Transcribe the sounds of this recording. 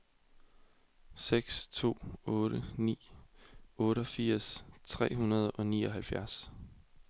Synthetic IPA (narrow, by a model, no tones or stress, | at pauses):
seɡ̥st͡sʰo̝̰ːɔːɾənḭː | ɔ̽ːɾəɒ̽fiɐ̰st͡sʰʁɛ̰ːɦunɐð̞̩ˠɒ̽niːɒ̽ɦælfjæɐs